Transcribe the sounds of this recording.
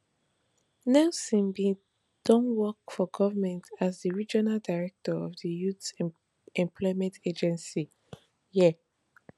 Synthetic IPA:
nɛsĩmbi | d̥ɔ̃nwɔkfɔɡɔvəmɛ̃ntʰazdəɹid͡ʒɔnaldaɹɛk̚tɔɔvdəjuθ | ɛ̃mpʰlɔɪmɛ̃ntʰed͡ʒɛ̃nsi | jɛ

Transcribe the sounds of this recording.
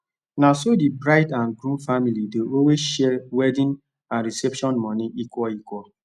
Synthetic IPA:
nasodibɾaɪdãnɡɾũnfamilideʔowesʃɛwɛdĩn | ãnɾisɛpʃɔ̃nmɔniʔikɔikɔ

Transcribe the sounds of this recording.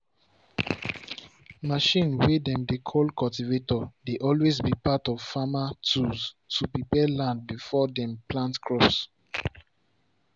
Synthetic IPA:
maʃĩnwedɛ̃mdekʰɔlkʰɔltivetɔdeʔɔlwezbipatɔv̥famatuztʰupipɛlãnd̚bifɔdɛ̃mplãntkʰɹɔps

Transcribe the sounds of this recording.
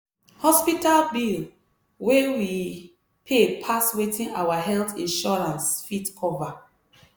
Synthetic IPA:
hɔspitalbil | wewi | pʰepʰaswetʰĩnawaɦɛlθĩnʃɔɹãnsfitkʰɔva

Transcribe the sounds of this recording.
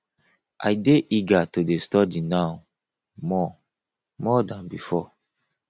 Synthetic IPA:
a̰jdeʔiɡatodestɔdinaw | mɔ | mɔdãnbifɔ

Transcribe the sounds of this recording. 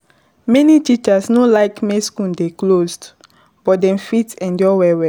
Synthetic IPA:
mɛnitit͡ʃasnolaɪkmeskũndeklozd | b̥ɔt̚dɛ̃mfitɛ̃ndjɔwɛwɛ

